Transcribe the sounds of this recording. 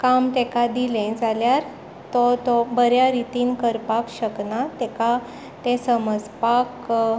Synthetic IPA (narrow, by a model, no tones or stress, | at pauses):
kamt̪ekad̪ilẽd͡zaljaɾ | t̪ɔt̪ɔbəɾjaɾit̪iːnkəɾpakɕəknat̪ɛka | t̪ẽsəməd͡zpak